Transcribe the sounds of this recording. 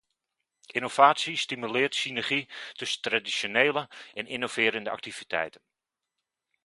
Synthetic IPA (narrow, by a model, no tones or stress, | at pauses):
ʔinov̥aːtsistimylɪːtsinɛrχitɵsəntradisoneːləɛninov̥ɪːɾəndəʔa̰k̚tiv̥itʰɛ̰jtən